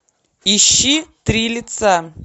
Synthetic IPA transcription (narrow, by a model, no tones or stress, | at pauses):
iɕːit̪ɾʲilʲit̪sa